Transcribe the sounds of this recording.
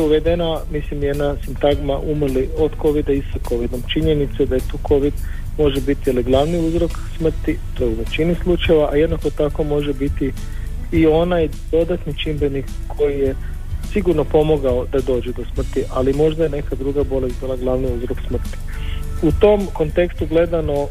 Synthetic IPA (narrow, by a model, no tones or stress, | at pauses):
euʋe̞d̪enamislimjed̪nasimt̪aɡmaʔumrlio̞d̪ko̞ʋid̪aisako̞ʋid̪o̞mt͡ʃiɲe̞nit̪sed̪aet̪uːkʰo̞ʋid̪ | mo̞ʒebit̪ijeliɡlˠaʋniuzɾo̞ksmr̩t̪ip̪ouzet͡ʃinislˠut͡ʃaje̞ʋaʔajed̪nako̞t̪ako̞mo̞ʒebit̪i | io̞naj | d̪o̞d̪at̪nit͡ʃimbenikːʰo̞jije̞ | siɡuɾno̞po̞moɡaod̪ad̪o̞ːd͡ʑɛd̪o̞smr̩t̪iʔalimo̞ʒd̪aje̞ne̞kad̪ɾuɡabo̞lest̪bilaɡlˠaʋniuzɾo̞ksmr̩t̪i̥ | ut̪o̞mko̞nt̪e̞kst̪uɡle̞d̪ano̞